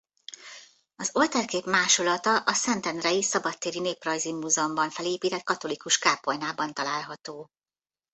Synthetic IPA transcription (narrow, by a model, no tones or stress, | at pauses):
ɒzo̞lt̪ɛrkeːpmaːʃolɒt̪ɒʔɒsɛnt̪ɛnrɛjisɒbɒt̪ːeːɾineːprɒjzimːuːzɛombɒɱfɛleːpiːt̪ɛt̪̚kɒt̪o̞likuʃkaːpojnaːbɒnt̪ɒlaːlɦɒt̪oː